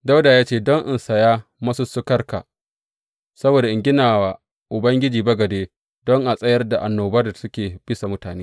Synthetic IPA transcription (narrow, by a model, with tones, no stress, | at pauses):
da˦wdaː˨jaː˦t͡ʃeː˦˨dɔ˦ŋʔɪ˦˨nsɐ˨jaː˦mɐ˦su˦sʊ˦kɐ˦rka̰˨ | sɐ˦boː˨da˨ʔɪ˨ŋɡʲɪ˦naː˨wa˨ | ʔʊ˨bɐ˦ŋɡʲɪ˦d͡ʒiː˨bɐ˦ɡɐ˨deː˦ | dɔ˦ŋʔa˨sʼɐ˦jɐ˦rda˨ʔa˨nːoː˨bɐ˦da˨sʊ˦kʲeː˨b̥ɪ˦sa˨mʊ˦taː˨neː˦